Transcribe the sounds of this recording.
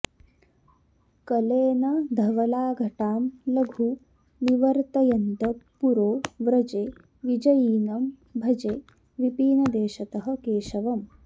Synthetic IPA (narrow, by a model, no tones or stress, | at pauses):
kɐleːnɐd̪ʱɐʋɐlaːɡʱɐʈaːmlɐɡʱu | niʋɐɾt̪ɐjɐnt̪ɐpuɾoːʋɾɐd͡ʒeː | ʋid͡ʒɐjiːnɐm | bʱɐd͡ʒeː | ʋipiːnɐd̪eːʃɐt̪ɐɦɐ̆keːʃɐʋɐm